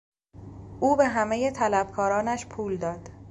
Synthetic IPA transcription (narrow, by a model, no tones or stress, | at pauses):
ʔuːbe̞ɦæmejet̪ʰælæb̚kʰɒːɾɒːnæʃpʰuːld̪ɒːd̪̥